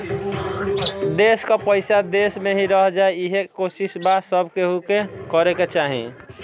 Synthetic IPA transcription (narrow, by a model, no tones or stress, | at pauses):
d̪eskəpəɪjsad̪esmeɦiɾəɦd͡ʒaeiɦekosisbasəbʱkeɦukekəɾeket͡ʃaɦḭ̃